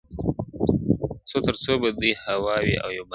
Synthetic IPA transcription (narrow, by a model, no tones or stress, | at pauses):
t͡sot̪əɾt͡sobad̪ujhawɑwḭʔa̰wjawba